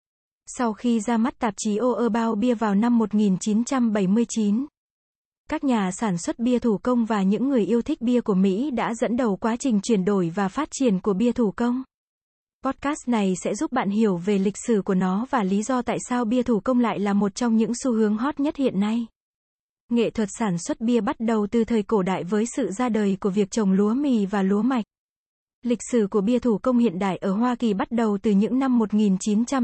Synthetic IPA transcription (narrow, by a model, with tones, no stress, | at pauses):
sa˧wxi˧zaː˧ma˦˥t̚t̪aː˨˩p̚t͡ɕi˨˦ʔo˧ʔəː˧ɓaː˧wɓi˧əvaː˨˩wna˧mːo˨˩t̚ŋi˨˩nt͡ɕi˨˦nt͡ɕa˧mɓə˧˩jmɨ˧əjt͡ɕi˨˦n | kaː˦˥k̚ɲaː˨˩saː˧˩nswə˦˥t̚ɓi˧ət̪ʰu˧˩kə˧wŋ͡mvaː˨˩ɲɨ̰˧˥ŋːɨ˨˩əjʔi˧əwt̪ʰï˦˥k̟̚ɓi˧əku˧˩əmḭ˧˥ɗa̰ː˧˥zə̰˧˥nɗə˨˩wkwaː˨˦t͡ɕï˨˩ŋ̟t͡ɕwi˧˩ənɗo˧˩jvaː˨˩faː˦˥t̚t͡ɕi˧˩ənku˧˩əɓi˧ət̪ʰu˧˩kə˧wŋ͡m | pɔ˦˥t̚kaː˦˥st̚na˨˩jsɛ̰˧˥zu˦˥p̚ɓa̰ː˧˨nɦi˧˩əwve˨˩lï˨˩k̟̚sɨ˧˩ku˧˩ənɔ˨˦vaː˨˩li˨˦zɔ˧t̪a̰ː˧˨jsaː˧wɓi˧ət̪ʰu˧˩kə˧wŋ͡mla̰ː˧˨jlaː˨˩mo˨˩t̚t͡ɕɔ˧wŋ͡mɲɨ̰˧˥ŋsu˧hɨ˨˦əŋɦɔ˦˥t̚ɲə˦˥t̚hḭ˧˨ənːa˧j | ŋḛ˧˨t̪ʰwə˨˩t̚saː˧˩nswə˦˥t̚ɓi˧əɓa˦˥t̚ɗə˨˩wt̪ɨ˨˩t̪ʰəː˨˩jko˧˩ɗa̰ː˧˨jvəː˨˦jsɨ̰˧˨zaː˧ɗəː˨˩jku˧˩əvi˨˩ək̚t͡ɕə˨˩wŋ͡mlu˨˦əmi˧˨vaː˨˩lu˨˦əma˨˩jk̚ | lï˨˩k̟̚sɨ˧˩ku˧˩əɓi˧ət̪ʰu˧˩kə˧wŋ͡mhḭ˧˨ənɗa̰ː˧˨jʔəː˧˩ɦwaː˧ki˨˩ɓa˦˥t̚ɗə˨˩wt̪ɨ˨˩ɲɨ̰˧˥ŋna˧mːo˨˩t̚ŋi˨˩nt͡ɕi˨˦nt͡ɕa˧m